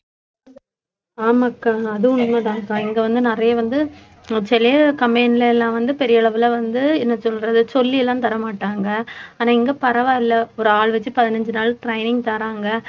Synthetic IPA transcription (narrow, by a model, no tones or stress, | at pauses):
aːmɐkːaːɐðɯʊɳmɐðãːŋkãːɪŋɡɐʋɐnd̪ɯnɪɾɐjɐʋɐnd̪ɯ | t͡ʃɛlɐjɐkɐmeːnɪlɐɛlːãːʋɐnd̪ɯpɛɾɪjɐɐɭɐʋɪlɐʋɐnd̪ɯɛnːɐsɔlɾɐðɯsɔlːiɛlːãːt̪ɐɾɐmaːʈːaːŋɡɐaːnãːɪŋɡepɐɾɐʋaːɪlːɐɔɾɯaːɭʋɐt͡ʃːɯpɐðɪnɐɲd͡ʒɯnaːɭʈɾɐɪnɪŋɡt̪ɐɾaːŋɡɐ